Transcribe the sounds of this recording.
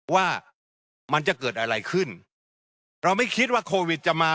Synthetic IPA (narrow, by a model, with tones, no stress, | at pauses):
waː˥˩ | ma˧nt͡ɕa˨˩kɤː˨˩t̪̚ʔa˧ɾa˧jkʰɯ˥˩n | ɾa˧wma˥˩jkʰi˦˥t̪̬̚waː˥˩kʰoː˧wi˨˩t̪̚t͡ɕa˨ʔmaː˧